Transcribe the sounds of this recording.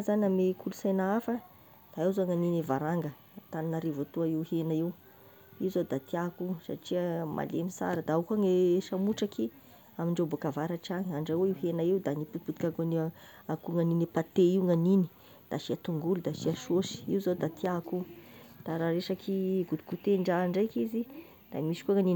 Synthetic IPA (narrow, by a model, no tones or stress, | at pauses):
zaniamekʰulusajnaafə | d̪̥aewzaŋaninevaɾaŋɡə | t̪aninaɾevot̪uaiwhenaiw | iwzad̪at̪iakusa̰ʈ͡ʂiəmʔa̰lemisa̰ɾəd̪aukaŋeʃamuʈ͡ʂakʰi | amiɳɖ͡ʐewbokavaɾaʈ͡ʂiaŋaɳɖ͡ʐaeiwɦenaiwd̪aniput̪i̥put̪ikakoni | akuŋaninepat̪eiwŋanini̥ | d̪̥aʃiat̪uŋɡulud̪aʃiaʃoʃi̥iwzad̪at̪iakud̪̥aɾaɾeʃakʰiɡud̪u̥kut̪eɳɖ͡ʐaɳɖ͡ʐajkizi | d̪̥amiʃi̥kuaŋanin